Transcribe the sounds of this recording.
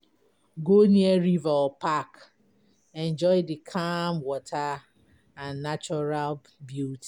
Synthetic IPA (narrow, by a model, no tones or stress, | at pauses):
ɡonieɾivaɔpak | ɛ̃nd͡ʒɔɪdɪkʰamwɔtʰa | ãnːat͡ʃɔɾal | bjuti̥